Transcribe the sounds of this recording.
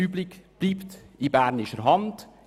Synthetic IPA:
yblikb̥liːptɪbæːɾnɪʃəɾɦɑnd̥

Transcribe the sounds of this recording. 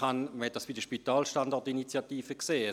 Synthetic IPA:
anməhɛt̚d̥asb̥idəʃpitaːlʃtandɔʁtinit͡sjatiːfəkseː

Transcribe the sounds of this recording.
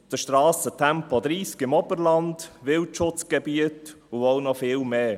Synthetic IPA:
d̥əʃtɾɑːsətʰɛmpɔd̪ɾiːskɪmɔbəɾlɑndʋɪltʃʊt͡sɡ̥ɛbiət | uɔʊnɔfɪːlmeː

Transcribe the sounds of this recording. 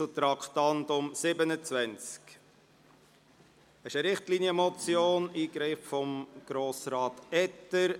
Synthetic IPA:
ut̪ɾɑkχt̪ɑnd̪ʊmsɪbənət͡svænt͡sk | əʃəɾɪχtliːniəmɔt͡sjoːniːɡɾɪffɔmɡ̥ɾoːsɾɑːtɛtːəɾ

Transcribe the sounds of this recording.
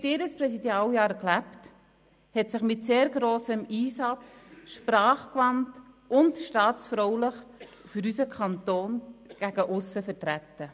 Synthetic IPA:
tɪːɾəspɾɛsidjɑːljɑːɾklæpt | hɛtsɪχmɪtseːɾɡɾoːsəmiːsɑt͡sʃpɾɑːχkʋɑnt | ʊntʃtɑːt͡sfɾɔwləχ | fyɾysəkʰɑntoːnɡ̥æɡ̥əʔʊsːəfəɾtɾætːə

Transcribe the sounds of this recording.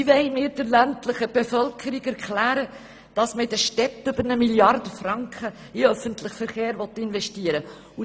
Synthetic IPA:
ɪʋɛɪmɪːɾd̥əɾlæntləχəb̥efœlkʰəɾiɡæɾkʰlæːɾə | d̥ɑsməɪdəʃtɛtːʏbəɾnəmiljɑrdəfrɑŋkχə | ɪœfəntlɪχfəɾχeːɾvɔt̪ːɪnvɛʃtiəɾə | u

